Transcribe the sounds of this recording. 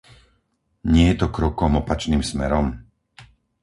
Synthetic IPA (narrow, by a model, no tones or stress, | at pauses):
ɲɪɛjɛt̪ɔkɾɔkɔmɔpat͡ʃniːmsmɛɾɔm